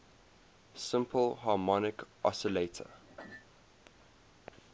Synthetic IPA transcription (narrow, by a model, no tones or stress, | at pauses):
sɪ̃mpʰəlɦɑːmɔnɪkʔɔ̰səletʰə̰